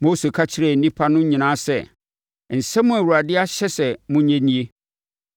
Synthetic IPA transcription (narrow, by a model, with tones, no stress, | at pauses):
mo˦se˨kʰa˦t͡ɕʰɪ˦ɾɛ˨n̩˨nĩ˦pʰa˦nʊ̃˦ɲĩ˨nãː˦sɛ˨ | n̩˨sɛ˦mʊ̃˦æ˨wu˨ɾa˨dɪ˦a˦ɕɛ˦sɛ˨mʊ̃˦ɲɛ̃˦nĩ˦e˦